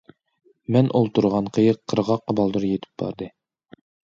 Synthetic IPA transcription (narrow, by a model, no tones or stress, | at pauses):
mænʔulˠt̪ŏɾʁɑɴqɤ̆jɤqːɤ̆ɾʁɑqːɤ̆bɑlˠd̪ɤɾjĕt̪ɘ̥p̚bɑ̰ɾd̪ɤ